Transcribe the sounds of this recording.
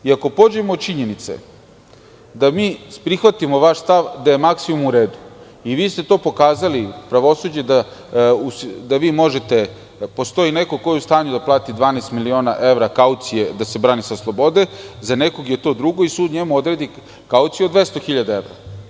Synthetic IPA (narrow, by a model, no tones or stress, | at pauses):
iakopo̞d͡ʑemood̪t͡ʃiɲe̞nit̪sḛ | d̪amiːpɾixʋat̪imo̞ʋaʃst̪aʋd̪aje̞maksimumuɾe̞ːd̪u | iʋiːst̪e̞t̪o̞ːpo̞kaːzalipɾaʋo̞sud͡ʑe̞d̪ausd̪aʋiːmo̞ʒe̞t̪e̞ | po̞st̪o̞inekoko̞jeust̪aːɲud̪aplˠaːt̪id̪ʋaːnest̪milio̞ːna̰ʔeʋɾakaut̪sije̞d̪ase̞bɾaːnisaslˠo̞bo̞d̪ezane̞ko̞ɡje̞t̪o̞d̪ɾuɡo̞isuːd̪ɲemuo̞d̪ɾed̪i | kaut̪sijod̪ʋe̞st̪o̞xiʎad̪ae̞ʋɾa̰